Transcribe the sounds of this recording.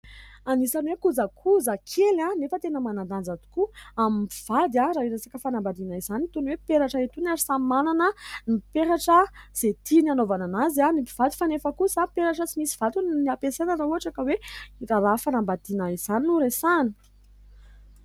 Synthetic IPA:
anisanwekuzakʰuzəkʰelanefət̪enəmanand̪and͡zat̪u̥kuamipiv̥ad̪jaɾaiɾesakəfanambad̪inaizanit̪unwepeɾaʈ͡ʂəet̪unaɾisammananənipeɾaʈ͡ʂəz̥et̪inanovananazanipiv̥ad̪i̥fanefəkusapeɾaʈ͡ʂət͡simisi̥v̥at̪unniapesenəɾauaʈ͡ʂakəweiɾaɾafanambad̪inaiz̥aninuɾesani̥

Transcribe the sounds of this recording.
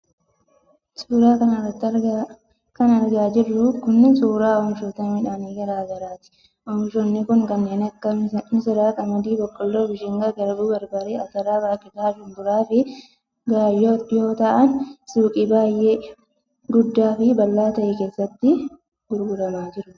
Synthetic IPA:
suːɾaːkɐnɐrɐt̪ː | kɐnɐɾɡaːd͡ʒɪrːʊkʊnːɪsuːɾaːɔmʃoːt̪ɐmɪᶑaːniɡɐɾaːɡɐɾaːt̪ɪ̥ | ʔɔmʃɔnːɪkʊŋkɐnːe̞ːnɐkːɐmɪsɪɾaːkʼɐmɐd̪iːbɔkʼːɔlːɔɾbɪʃɪŋɡɐɡɐɾbuːbɐɾbɐɾeːɐt̪ɐɾaːbaːkʼɪd̪aːʃʊnd̪ʊɾaːfɪ | ɡaːjːoːᶑjo̞ːt̪ɐʔɐnsuːkʼɪbaːjːeː | ɡʊd̪ːaːfɪbɐlːaːt̪ɐʔɛke̞ːsːɐt̪ːɪ | ɡʊɾɡʊɾɐmaːd͡ʒɪɾʊ

